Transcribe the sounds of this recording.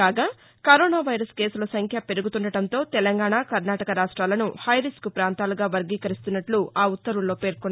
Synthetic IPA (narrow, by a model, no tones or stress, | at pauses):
aːɡaː | kɐɾoːnaːʋɐjɾɐske̞ːsulɐsɐŋkʰjɐpe̞ɾuɡut̪uɳɖɐɽɐnt̪o̞ːt̪ɛlɐŋɡaːɳaːkɐɾnaːʈɐkɐɾaːʂʈɾaːlɐnuhɐjɾiskupɾaːnt̪aːluɡaːʋɐɾɡiːkɐɾist̪unːɐʈluaːut̪ːɐɾuɭlo̞ːpe̞ːɾkunː